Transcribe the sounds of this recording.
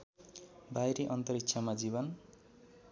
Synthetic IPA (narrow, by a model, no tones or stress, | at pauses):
bajɾeʔʌnt̪ʌɾitːsʰamad͡zibʌn